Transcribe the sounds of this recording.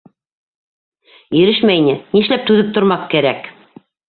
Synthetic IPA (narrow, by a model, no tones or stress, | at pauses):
jɵ̆ɾɘʃmæjnɘniʃlæp̚t̪ʉðɘp̚t̪ŏɾmɑθkæɾæk